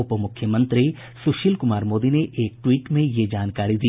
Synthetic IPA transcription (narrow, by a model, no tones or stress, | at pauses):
ʊpmʊkʰːjəmə̃nt̪ɾi | sʊʃiːlkʊmaːɾmoːd̪ineʔeːk̚ʈwiːʈmẽjed͡ʒaːnkaːɾid̪iː